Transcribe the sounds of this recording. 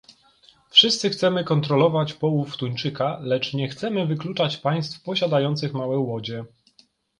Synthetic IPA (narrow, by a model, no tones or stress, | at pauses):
fʂɘst̪sɘxt̪sɛmɘkɔnt̪ɾɔlɔvat͡ɕpɔwuft̪uɲt͡ʂɘkalɛt͡ʂɲɛxt̪sɛmɘvɘklut͡ʂat͡ɕpaj̃st̪fpɔɕad̪ajɔnt̪sɘxmawɛwɔd͡ʑɛ